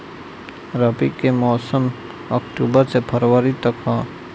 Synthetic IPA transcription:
ɾɐpikːemɔːsəm | əkʈuːbəɾsepʰəɾwəɾit̪ɐkʰɦã

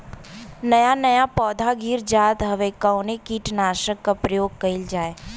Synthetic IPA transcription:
nɐjanɐjapɔːd̪ʱaɡiːɾd͡ʒaːd̪ɦɐʋekaʊnekiːʈnaːʃəkːapɾɐjoːɡ̚kɐɪld͡ʒaːeː

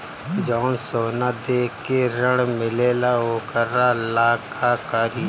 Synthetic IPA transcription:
d͡ʒɔːnsoːnad̪eːkːeɾəɽmɪleːlaoːkəɾalaːkʰakaɾɪ

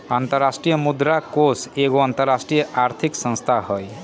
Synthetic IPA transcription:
ant̪əɾːasʈɾijəmud̪ɾakoseɡoant̪əɾːasʈɾijəʔaɾt̪ʰiksə̃nst̪ʰahoj

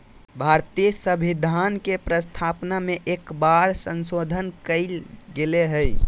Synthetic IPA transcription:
bʱaɾt̪ijsəbʱid̪ʱankepɾəst̪ʰapnameʔekbaɾsənsod̪ʱənkəɪlɡeleɦəj

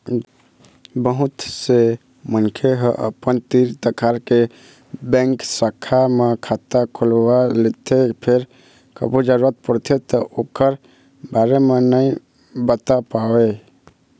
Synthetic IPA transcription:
bəɦut̪se | mənkʰeɦə̃ʔə̰pənt̪iɾt̪əkʰaɾke | bɛ̃ŋksəkʰːamekʰat̪akʰulwalet̪ʰepʰeɾ | kə̰bud͡ʒəɾuɾət̪̚pəɾt̪ʰet̪ɔʔokəɾ | baɾemenəi | bət̪apawe

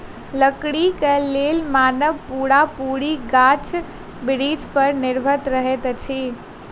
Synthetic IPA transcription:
ləkɽikeleːlmaːnəʋpuːɽapuːɽiɡaːt͡ʃ | bɪɾiːd͡ʒpəɾnɪɾbʱəɾt̪ɾəɦet̪t͡ʃʰiː

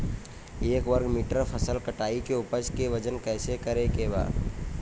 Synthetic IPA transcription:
eːkʋəɾɡmiːʈəɾpʰɐsəlkɐʈaːikeʊpəd͡ʒkeʋɐd͡ʒənkɛːsekɐɾekeba̰ːd̪

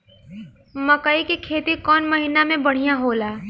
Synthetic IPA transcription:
məkəikikʰeːt̪ikɔːnməɦiːnamẽbəɽ̤ijãɦoːlaː

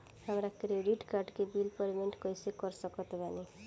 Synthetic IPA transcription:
hamɾakɾeɖiʈkarɖkebilpʌɾimeɳʈkʌjsekʌɾsʌkɔt̪b̪ʱani

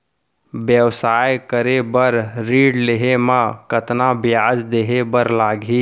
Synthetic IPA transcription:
bjəwsaːjkəɾebəɾɾiːɖleɦemãkət̪nabɪjaːd͡ʒd̪eɦebəɾlaːɡʱi

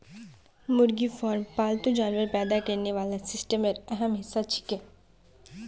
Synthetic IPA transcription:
mʊɾɡifɔːɾmpaːlt̪ũd͡ʒaːnʋəɾpɛːd̪akɐɾneʋaːlasɪsʈəməɾɛɦəmɦɪsːat͡ʃʰɪ̥kẽː

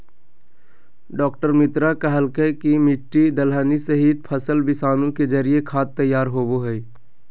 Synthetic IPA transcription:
ɖɔːk̚ʈəɾmɪt̪ɾakəɦəlkekimɪʈːid̪əlɦənisəɦit̪̚pʰəsəlbɪsaːnũked͡ʒəɾijekʰaːt̪ːəjːaːɾɦoːboɦɛj

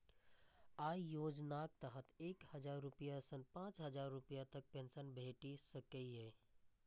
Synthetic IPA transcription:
aijod͡ʒnak̚t̪əɦət̪eːkhəd͡ʒaɾːupijasənpãt͡ʃɦəd͡ʒaɾːupijat̪ək̚pensənbʱeʈisəkəiɦe

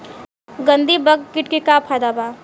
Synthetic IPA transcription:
ɡɐ̃nd̪ibɐɡkɪʈkikaːpʰajd̪abaː

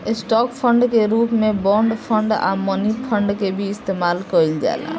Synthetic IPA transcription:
esʈɔkpʰəɳɖkeɾupmebɔɳɖpʰəɳɖa̰mənipʰəɳɖkebʱiːst̪emalkəild͡ʒa̰ela̰

